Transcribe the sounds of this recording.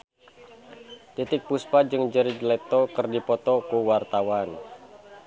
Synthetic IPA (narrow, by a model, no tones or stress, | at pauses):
t̪it̪ɪk̚puspad͡ʒɨŋd͡ʒəɾid͡ʒlɛt̪ɔkərdipɔt̪ɔkuwart̪awan